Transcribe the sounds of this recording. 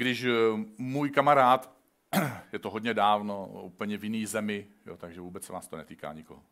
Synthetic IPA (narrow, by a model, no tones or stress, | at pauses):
ɡdɪʃmuːjkamaɾaːt̪ | jɛt̪oɦodɲɛdaːvnoupl̩ɲɛvjɪniːzɛmɪ | jo̰t̪aɡʒɛvuːbɛt͡ssɛna̰ːst̪onɛt̪iːka̰ːɲɪko̰ɦo